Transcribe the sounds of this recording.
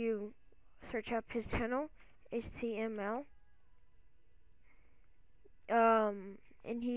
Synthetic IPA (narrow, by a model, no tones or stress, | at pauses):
ɨ | sɜ˞t͡ʃʌphɨz̥tʰænl̩ˠ | eɪt͡ʃtʰiɛ̃mɛlˠ | ʔʌ̃m | ʔɨ̰̃ni